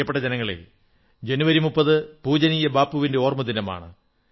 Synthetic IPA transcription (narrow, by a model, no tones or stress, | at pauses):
ɐpːeʈːɐd͡ʑenɐŋːɐɭḛl | d͡ʑenuʋɐɾimupːɐðɨpuːd͡ʑɐnijɐbaːpːuʋinde̞o̞ːrmɐd̪inɐma̰ːɳɨ̰